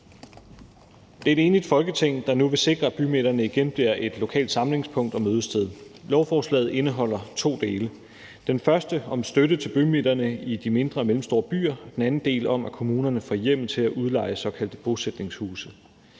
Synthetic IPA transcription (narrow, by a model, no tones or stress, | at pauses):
d̥eɐd̥e̝ːnlid̥fɒ̽lɡ̥ət͡sʰe̝ŋ̰d̥ɑ̈nuʋe̝se̝ɡ̥ʁɐæb̥ymed̥ɐnəiɡ̥enb̥liɐ̰ʔe̝d̥lo̝kʰɛ̰ːld̥sɑ̈mle̝ŋspʰɔ̽ŋ̰d̥ɒ̽møːð̞ˠəsd̥ʰeð̞ˠlɒʊfɒːslɛ̰ːð̩ˠe̝nəɦɒ̽l̰ɐt͡sʰo̝̰ːd̥e̝ːlə | d̥enfɶɐsd̥əɒ̽msd̥ødət͡sʰe̝lb̥ymed̥ɐnəid̥ime̝nd̥ʁɐːmelm̩sd̥o̝ːɐb̥y̰ːɐɒd̥enænn̩d̥e̝̰ːlɒ̽m̰ækʰo̝muːnɐnəfɒjem̰̩ˠt͡sʰe̝læʔuð̞ˠlɑ̈ɪ̰əsɒ̽kʰæld̥əb̥o̝sed̥ne̝ŋshṵːsð̩ˠ